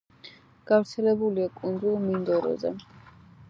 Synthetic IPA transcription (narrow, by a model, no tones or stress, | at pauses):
ɡ̥avɾt̪sʰɛlɛbuliakʼund̪zulˠmind̪ɔɾɔ̰zɛ̰